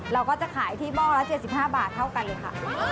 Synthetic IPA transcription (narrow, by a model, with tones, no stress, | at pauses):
ɾa˧wkɔː˥˩t͡ɕa˨˩kʰaː˩˦jt̪ʰiː˥˩mɔː˥˩k̚lɛ˦˥wt͡ɕe˨˩t̪̚si˨˩p̚haː˥˩baː˨˩t̪ʰːa˥˩wka˧nlɤː˧jkʰa̰˥˩